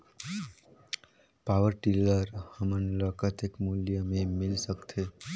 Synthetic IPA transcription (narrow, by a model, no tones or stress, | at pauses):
pawəɾʈiləɾhəmənləkət̪ekmuljəmẽmilsəkt̪ʰe